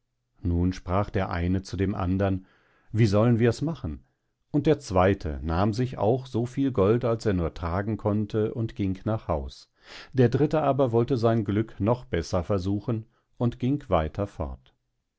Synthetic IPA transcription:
nuːnʃpʁ̥aːχd̥eːɐʔa̰ɪnət͡sudeːmʔa̰ndɐn | viːzɔlənviːɐɛsmaχn̩ | ʊnt̚d̥eːɐt͡sv̥aɪtʰə̰naːmzɪça̰ʊxz̥oːfiːlɡɔltalseːɐnuːɐtʁ̥aːɡŋ̩kʰɔntʰəʔʊntɡ̥ɪŋknaːχhaʊs | d̥eːɐdʁɪtəaːbɐvɔltəzaɪnɡlʏknɔχb̥ɛsɐfɛɐzuːxən | ʔʊntɡ̥ɪŋkv̥aɪtʰɐfɔ̰ɐt

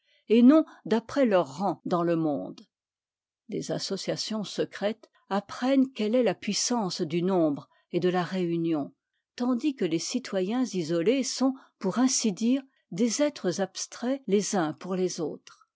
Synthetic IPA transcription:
enɔ̃d̪apχɛlœʁːɑ̃d̪ɑ̃ləmɔ̰̃d̪ | dḛzasɔsjasjɔ̃səkχɛt̪ | apχɛnkɛlɛlapɥisɑ̃sd̪ynɔ̃bʁ | ed̪əlaʁeynjɔ̃ | t̪ɑ̃d̪ikəlesit̪wajɛ̃zizɔlesɔ̃puʁɛ̃sid̪iːʁ | d̪ezɛt̪χəzapst̪χɛlezɛ̃puʁlezoːt̪χ

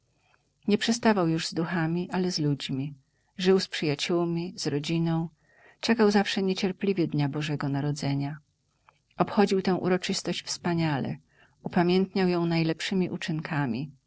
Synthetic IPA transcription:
ɲɛpʂɛst̪avawjuʐzd̪uxamʲiʔalɛzlud͡ʑmʲi | ʐɘwspʂɘjat͡ɕuwmʲiz̥ɾɔd͡ʑinɔ̃w̃ | t͡ʂɛkawzafʂɛɲet͡ɕɛɾplʲivʲjɛd̪ɲabɔʐɛɡɔnaɾɔd̪zɛɲa | ɔpxɔd͡ʑiwt̪ɛ̃w̃ʔṵɾɔt͡ʂɘst̪ɔɕt͡ɕfspaɲalɛ̰ | upamʲjɛnt̪ɲawjɔ̃w̃najlɛpʂɘmʲiʔut͡ʂɘŋkʰamʲi

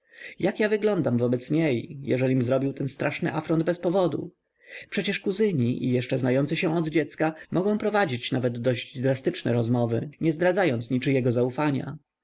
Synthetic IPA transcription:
jakjavɘɡlɔnd̪amvɔbɛt̪sɲejjɛ̰ʐɛlʲimzɾɔbʲiwt̪ɛnst̪ɾʔaʂnɘ̰ʔafɾɔnd̪̚bɛspɔvɔd̪ṵ | pʂɛt͡ɕɛʂkuzɘɲiʔḭjɛʂt͡ʂɛznajɔnt̪sɘɕɛ̃ɔd̪d͡ʑɛt̪skamʔɔɡɔ̃w̃pɾɔvad͡ʑit͡ɕnavɛd̪ːɔʑd͡ʑd̪ɾast̪ɘt͡ʂnɛ̰ɾɔzmɔvɘ̰ɲɛzd̪ɾad̪zajɔnt̪sɲit͡ʂɘjɛɡɔzaufaɲa̰

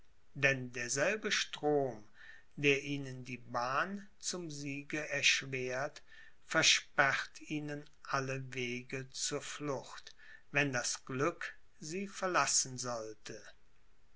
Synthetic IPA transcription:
dɛndeːɐzɛlbəʃtʁ̥oːm | deːɐʔiːnəndiːbaːn | t͡sʊmziːɡəɛɐʃv̥eːɐt | fɛɐʃpɛʁtʰiːnən | ʔaləveːɡət͡suːɐflʊxt | vɛndasɡ̥lʏk | ziːfɛɐlasn̩zɔltʰə

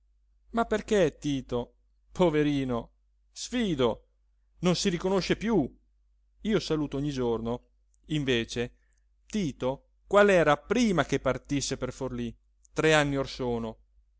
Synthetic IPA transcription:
mapːerket̪iːt̪o | pʰoveɾiːno | sfiːd̪o | nonsiɾikonoʃːepju | iːosaluːt̪ooɲːid͡ʒorno | iɱveːt͡ʃe | t̪iːt̪o | kwalɛːɾapɾiːmakepːart̪isːeperforli | t̪ɾeanːiorsoːno

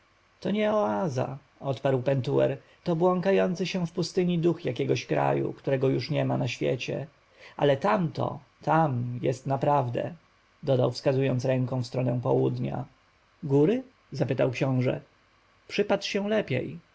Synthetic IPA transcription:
t̪ɔɲɛɔaza̰ | ɔt̪paɾwpɛnt̪uɛ̰ɾ | t̪ɔbwɔŋkajɔnt̪sɘɕɛ̃fpust̪ɘɲid̪uxjakʲɛɡɔɕkɾa̰jṵkt̪uɾɛɡɔjuʂɲɛmanaɕfʲjḛt͡ɕɛ̰ | ʔa̰lɛt̪amt̪ɔ̰ | t̪ʰamjɛst̪napɾavd̪ɛ̰ | d̪ɔd̪awfskazujɔnt̪sɾɛŋkɔ̃w̃fst̪ɾɔnɛ̃pɔwud̪ɲa̰ | ɡuɾɘ | zapɘt̪awkɕɔ̃w̃ʐɛ̰ | pʂɘpatʂɕɛ̃w̃lɛpʲjɛ̰j

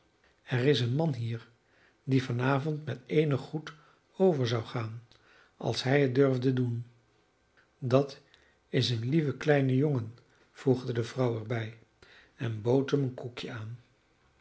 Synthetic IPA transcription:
ɛrɪsənmɑnɦiːɹ | divɑnaːvɔntmɛtejnəχːut | owvəɹzɑwχaːn | ʔɑ̰lˠsɦɛjət̚dʏɹvdədun | dɑt | ɪsənlivəklɛjnəjoŋən | v̥uχdədəvrɑwɛɹbɛj | ɛnbowtɦəmənkukjəaːn

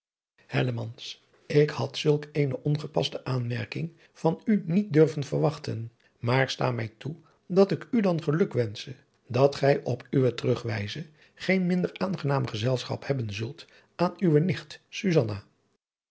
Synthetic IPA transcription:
hɛ̰ləmɑns | ɪkhɑtsɵlˠkejnəʔɔnχəpɑ̰stəʔaːnmɛɹkɪŋ | v̥ɑnynit̚dɵrvənvəɹʋɑχtə̰n | maːɹsta̰ːmɛjtu | dɑtɪkydɑnχəlɵkʋɛnsə | dɑtχɛjʔɔpʰyʋətərɵχʋɛjzə | χejnmɪndəɹʔaːnχənaːməχəzɛlˠsχɑ̰phɛbənzɵlˠt | aːnyʋənɪχtsyzɑna

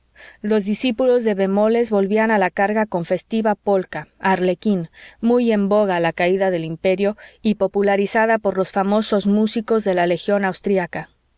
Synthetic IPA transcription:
lo̞zðisipulo̞zðe̞βe̞mo̞le̞zβo̞lβianalakaɾɣako̞ɱfe̞st̪iβapo̞lkaaɾle̞kinmuje̞mbo̞ɣ̞alakaiðaðe̞limpe̞ɾjo̞ipo̞pulaɾisaðapo̞ɾlo̞sfamo̞so̞zmusiko̞zðe̞lale̞xjo̞nawst̪ɾiaka

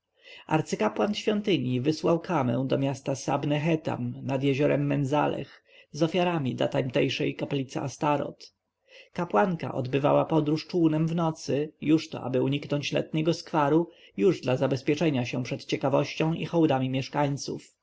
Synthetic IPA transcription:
ʔa̰ɾt̪sɘkapwanɕfʲjɔnt̪ɘɲjivɘswawkʰamɛ̰̃w̃d̪ɔmʲjast̪asa̰bnɛxɛt̪a̰mnad̪jɛʑɔɾɛmːɛnza̰lɛ̰x | zɔfʲjaɾamʲid̪la̰t̪amt̪ɛjʂɛjkaplʲit̪sɛ̰ʔast̪aɾɔ̰t̪ | kapwaŋka̰ʔɔ̰d̪bɘva̰wapɔd̪ɾuʂt͡ʂuːnɛmvnɔt̪sɘjuʂt̪ɔ̰ʔa̰bɘuɲiknɔɲt͡ɕlɛ̰t̪̚ɲɛɡɔskfaɾu | juʐd̪lazabɛspʲjɛt͡ʂɛɲaɕɛ̃pʂɛt̪t͡ɕɛkavɔɕt͡ɕɔ̃w̃ʔixɔwd̪amʲimʲjɛʂkaɲt̪sṵf

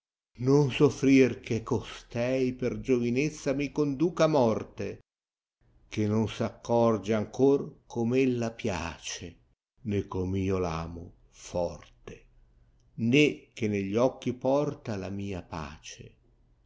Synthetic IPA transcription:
nonsofɾirk̟ekːost̪ɛjperd͡ʒovinet̪sːamikond̪uːkamɔrt̪e | k̟enːonsakːɔrd͡ʒeaŋkorkʰomelːapja̰ːt͡ʃe | nekʰːomiːola̰ːmʊ̰ | fɔrt̪e | nek̟ːeneʎːɔkːipɔrt̪alamiːapa̰ːt͡ʃḛ

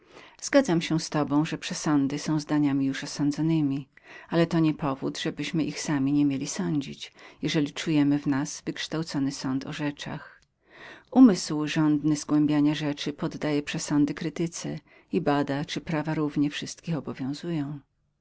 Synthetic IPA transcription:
z̥ɡad̪zamɕɛst̪ɔbɔ̃w̃ʐɛpʂɛsɔnd̪ɘsɔ̃w̃zd̪aɲamʲijuʂɔsɔ̃nd̪zɔnɘmʲialɛt̪ɔɲɛpɔvṵd̪ʐɛbɘɕmɘʔixsamʲiɲɛmʲjelʲisɔɲd͡ʑit͡ɕjɛʐɛlʲit͡ʂujɛmɘvnasvɘkʂt̪awt̪sɔnɘsɔ̃nt̪ɔ̰ʐɛt͡ʂa̰x | umɘswʐɔnd̪nɘzɡwɛ̃mbʲjaɲaʐɛt͡ʂɘpɔd̪ːajɛpʂɛsɔnd̪ɘkɾɘt̪ɘt̪sɛ̰ | ibad̪at͡ʂɘpɾavaɾuvɲɛfʂɘst̪̚kʲixɔbɔvʲjɔ̃w̃zujɔ̃w̃

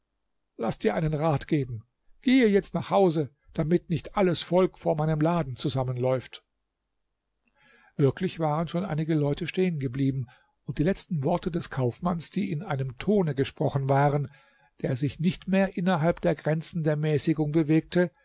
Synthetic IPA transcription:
lasd̥iːɐʔaɪnənʁaːtɡ̥eːbm̩ | ɡ̥eːəjɛt͡stnaːχhaʊzə | d̥amɪtnɪçtʔaləsfɔlkfoːɐmaɪnəmlaːdn̩t͡suzamənlɔʏft | v̥ɪɐklɪçv̥aːʁ̞ənʃoːnʔaɪnɪɡəlɔʏtʰəʃteːənɡəbliːbm̩ | ʊnt̚d̥iːlɛt͡stn̩vɔɐtədɛskʰaʊfmansd̥iːɪnʔaɪnəmtʰoːnəɡəʃpʁ̥ɔχn̩vaːʁən | d̥eːɐzɪçnɪçtmeːɐʔɪnɐɦalpd̥eːɐɡʁɛnt͡sn̩deːɐmɛːsɪɡʊŋbəveːk̚tə

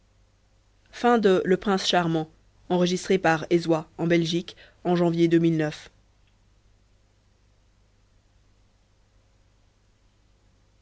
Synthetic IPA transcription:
fɛ̃d̪ələpχɛ̃sʃaʁmɑ̃ | ɑ̃ʁəʒist̪χepaʁezwaɑ̃bɛlʒik | ɑ̃ʒɑ̃vjed̪ømilnœf

